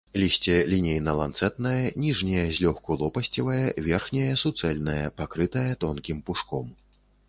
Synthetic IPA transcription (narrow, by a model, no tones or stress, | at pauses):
lʲisʲt͡sʲɛlʲinʲejnɐlˠant̪sɛt̪̚nɐjɐnʲiʐnʲɛjɛɐzʲlʲɔxkulˠɔpɐsʲt͡sʲivɐjɛvʲɛrxnʲɛjɛsut̪sɛlʲnɐjɐpakɾɨt̪ɐjɐt̪ɔnkʲimpuʂkɔm